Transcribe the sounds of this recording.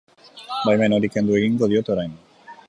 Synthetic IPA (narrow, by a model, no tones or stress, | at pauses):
bajmeno̞ɾike̞nd̪ue̞ɣiŋɡo̞ð̞io̞t̪o̞ɾajn